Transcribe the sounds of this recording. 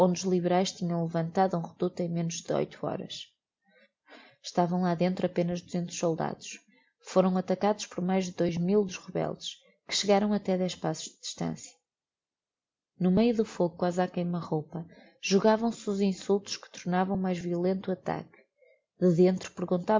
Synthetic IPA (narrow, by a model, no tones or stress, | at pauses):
õnd̪uʒlˠiβɨɾajʃt̪iɲɐ̃w̃lˠɨvɐ̃nt̪aðuũʁɨðut̪ẽj̃menuʒðɨo̰jt̪ʰuɔ̰ɾɐ̰ʃ | ʃt̪avɐ̃w̃lˠaðẽnt̪ɾɐpenɐʒd̪uzẽnt̪u̥ʃsolˠd̪a̰ðuʃ | foɾɐ̃w̃ɐt̪ɐkaðuʃpɔɾmajʒðɨðojʒmilˠd̪uʃʁɨβɛ̰lˠd̪ɨʃ | kɨ̥ʃɨɣaɾɐ̃w̃ɐt̪ɛðɛʃpasu̥ʒ̥ðɨðiʃt̪ɐ̰̃sjɐ̥ | numejuðufoɣukwazakɐ̃j̃umɐʁowpɐ | ʒ̥uɣavɐ̃w̃suzĩsulˠt̪u̥ʃkɨ̥t̪uɾnavɐ̃w̃umajʒviulˠẽnt̪uɐt̪a̰k | ðɨðẽnt̪ɾupɨɾɣũnt̪a